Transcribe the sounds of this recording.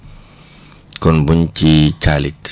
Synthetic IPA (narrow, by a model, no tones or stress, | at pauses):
kɔnbuncit͡ʃalit